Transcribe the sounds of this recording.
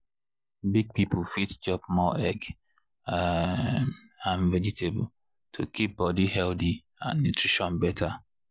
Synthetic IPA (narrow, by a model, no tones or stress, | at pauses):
biɡ̚pipl̩fitd͡ʒɔpmɔʔɛɡ | ãmvɛd͡ʒitʰeb̰l̩ | tʰukʰip̚bɔdihɛldi | ã̰nːutʰɹiʃɔ̃nbɛtʰa